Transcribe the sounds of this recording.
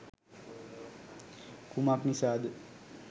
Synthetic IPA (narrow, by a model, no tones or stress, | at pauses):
kumapnisad̪